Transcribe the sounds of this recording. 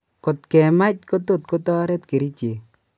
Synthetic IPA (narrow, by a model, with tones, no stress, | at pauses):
ko˨tkɛ˨ma˦t͡ʃko˦t̪o˦˨t̚ko˦tɔ˦ɾɛ˦t̪ke˨ɾi˦t͡ʃe˨